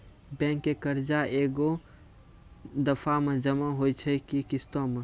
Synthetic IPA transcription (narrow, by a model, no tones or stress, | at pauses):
bɛ̃ːŋkːekəɾd͡ʒaʔeːɡo | d̪əpʰamẽd͡ʒəmaɦoit͡ʃʰəkikɪst̪õmẽ